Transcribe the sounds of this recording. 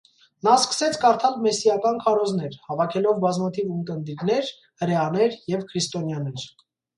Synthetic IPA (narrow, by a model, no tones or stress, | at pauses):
nɑskə̥sɛt͡sʰkɑɾt̪ʰɑlmɛsijɑkɑnkʰɑɾɔzn̪ɛɾhɑvɑkʰɛlɔvbɑzmɑt̪ʰivumkənd̪iɾnɛɾ | həɾɛɑnɛɾjɛvkʰɾist̪ɔnjɑnɛɾ